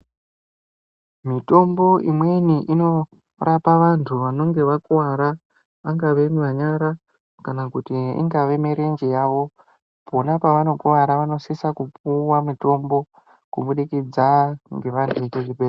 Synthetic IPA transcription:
mito̞mbo̞imwe̞niʔino̞ | rʔapaʋantʰuʋano̞ŋɡe̞ʋakuwaɾaː | ŋɡaʋe̞mmaɲaɾa | kanakutiḭŋɡaʋe̞meɾe̞nd͡ʒejaʋo̞ | pʰo̞napaʋano̞kuʋaɾaʋanosisakupuwamito̞mbo̞ | kuɓuɗikid͡zaŋɡe̞ʋantʰueket͡ʃipeːre

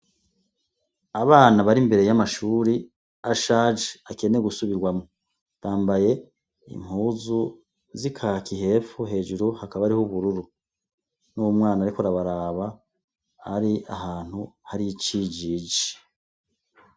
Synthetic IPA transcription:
aβaːnaβaɾimbe̞ɾe̞jamaʃuːɾi | aʃaːd͡ʒeake̞neɡusuβiɾwamŋo | ɾaːmbaje̞ | ḭm̥huːzu | zikʰaːkiɦe̞ːfuɦe̞ːʒuɾuhakaβaɾihuβuɾuɾu | nuwumŋaːnaɾikoɾaβaɾaːβaː | ɾia̰haːn̥huhaɾit͡ʃid͡ʒid͡ʒe

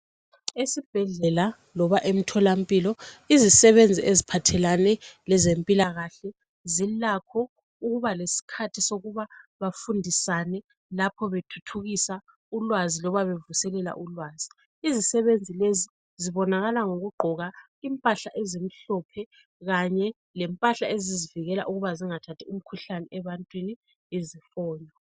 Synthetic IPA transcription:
esib̥ʱɛɮɛla | lɔβaʔem̩tʰɔlam̩pʼilɔizisɛβend͡zʱiʔezipʰatʰɛlanɛlɛzempʼilaɣaɬɛ | zilakʰɔ | uɣuβalesi̥kʰatʰisoɣuβaβafundʱisanɛ | lapʰɔβetʰutʰuɣisa | ulwazilɔβaβevusɛlɛla̰ʔulwaːzi | izisɛβend͡zʱilezi | ziβɔnaɣalaŋoɣuɡ͡ǃʱɔɣa | impʼaɬaʔezem̩ɬɔpʰɛ | ɣaɲɛ | lɛmpʼaɬaeziziviɣɛla̰ʔuɣuβaziŋatʰatʰium̩kʰuɬanɛʔɛβantʼwini | ezifɔːɲɔ

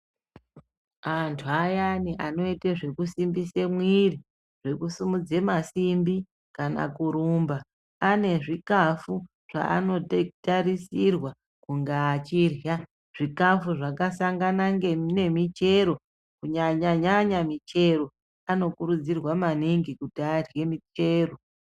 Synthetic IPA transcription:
antʰuajaniʔano̞iteʐe̞kusimbisemwiri | ʐ̥e̞kusumud͡zemasimbi | kana̰kuɾuːmbaː | ne̞ʐikafu | ʐ̥a̰a̰no̞tetaɾisirwa | kuŋɡaːt͡ʃirja | ʐ̥ikafuʐakasaŋɡanaŋɡene̞mit͡ʃe̞ɾo̞ | kuɲaɲaɲaɲamit͡ʃe̞ɾo̞ | ano̞kuɾud͡zirwamaniŋɡikutiarje̞mit͡ʃe̞ːro̞

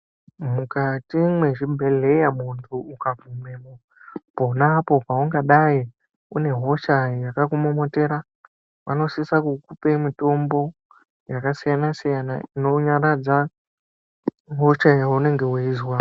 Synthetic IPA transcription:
mukatimwe̞ʐibʱe̞le̞jamuntʰuukavʱumemo | po̞napo̞pauŋɡaɗaji | une̞ɦo̞t͡ʃajakakumo̞mo̞te̞ɾa | ʋa̰no̞sisakukupe̞mito̞mbo̞ | jakasijanasijana̰ino̞ɲaɾad͡za | ɦo̞t͡ʃajaune̞ŋɡe̞weiːzwa

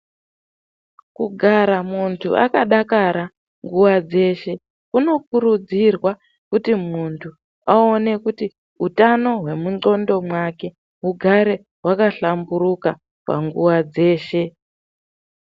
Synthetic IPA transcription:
kuɡʱaɾamuntʰṵa̰kaɗakaɾa | ŋɡuʋad͡ze̞ːʃe̞ | kuno̞kuɾud͡zirwa | kutimuntʰu | ao̞ne̞kuti | utano̞ɦwe̞muŋ͡ǃo̞ndo̞mwake̞ | ɦuɡʱaɾe̞ | wakaɬambuɾuka | pa̰ŋɡuwad͡ze̞ːʃe̞

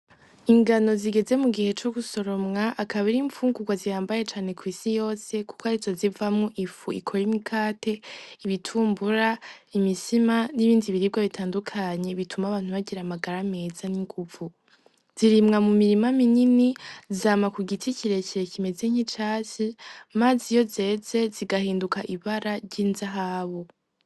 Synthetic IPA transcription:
iŋɡano̞ziɡe̞ze̞muɡihe̞t͡ʃoɡuso̞ɾo̞mŋaʔakaβiɾiːɱfuːŋɡuɡwazijaːmbaje̞t͡ʃaːne̞kwiːsijo̞ːse̞ku̥koaɾizo̞zivamŋoʔifuḭkʰo̞ɾimikʰaːte̞iβitʰuːmbuɾaimisimaniβiːndiβiɾib̚ɡaβitʰaːndukʰaɲe̞βitʰumaβaːn̥huβaɟiɾamaɡaɾame̞ːzaniŋɡuvu | z̥iɾimŋamumiɾimamininizaːmakuɡitʰiciɾe̞ciɾe̞cʰime̞zeɲit͡ʃaːt͡ʃimazijo̞ze̞ːze̞ziɡahiːndukʰaʔiβaɾaɾɟinzaɦaβo̞

